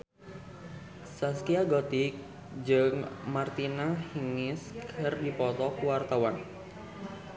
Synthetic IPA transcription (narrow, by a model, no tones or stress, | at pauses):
saskiaɡɔt̪ik̚ | d͡ʒɨŋmart̪inahiŋɪskʰərdipɔt̪ɔkuwart̪awan